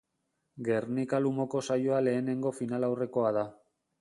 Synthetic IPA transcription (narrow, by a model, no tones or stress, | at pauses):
ɡe̞rnikalumo̞ko̞sajoale̞ːne̞ŋɡo̞finalawre̞ko̞aða